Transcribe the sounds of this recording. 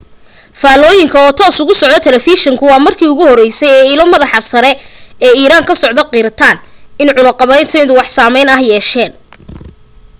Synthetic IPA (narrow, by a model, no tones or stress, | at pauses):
faːlɔːjɪŋkʰɐɔːt̪ʰɔːsʊɣʊsɔʕd̪ɔt̪ʰɛlɛfiʃɛŋkʰʊwɑːmɐrkʰiːʊɣʊhɔrɛjsɛjɛːilɔmɐðɑħɑfsɐɾɛɛːiːɾaːŋkʰɐsɔʕd̪ɔqiɾɐt̪ʰaːnɪnʕʊlɐqɑβɐjnt̪ʰɛjðʊwɑħsaːmɛjnɐhjɛːʃɛːn